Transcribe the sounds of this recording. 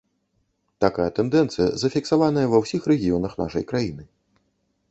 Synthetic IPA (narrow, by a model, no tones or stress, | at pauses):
t̪akajɐt̪ɛnd̪ɛnt̪sɨjɐ̰zɐfʲiksavanɐjɐvɐwsʲixɾɛɣʲijɔnɐxna̰ʂɐ̰jkɾajinɨ